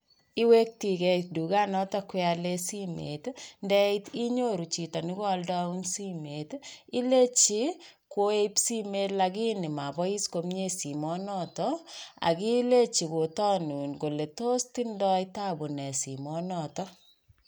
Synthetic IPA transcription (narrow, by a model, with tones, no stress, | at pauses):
i˦we˦k̚ti˨kɛ˦t̚du˨ɡa˦nɔ˦tɔ˦kwɛa˦le˦si˦mḛ˨tndɛ˦iti˦ɲo˦ɾu˨t͡ʃi˨tɔ˨ni˦kɔ˦ldɔ˦u˦nsi˦me˨ti˦le˦t͡ʃi˦ko˦e˦psi˦me˦tla˧ɡi˦ni˨ma˨bɔ˦i˦sko˦mɲe˦si˨mɔ˦nɔtɔa̰˨ki˦le˦t͡ʃi˨ko˨tɔ˦nu˨nko˨le˨to˦sti˦ndɔ˦ita˦bo˨nɛ˨sḭ˨mɔ˦nɔ˨tɔ˦